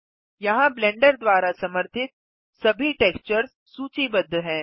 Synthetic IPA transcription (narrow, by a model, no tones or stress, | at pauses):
jɐɦãblɛ̃ːɳɖəɾd̪ʋaːɾasɐməɾt̪ʰɪt̪̚ | sɐbʱiʈeːkst͡ʃəɾz | suːt͡ʃibɐd̪ʱːɦɛ̃ː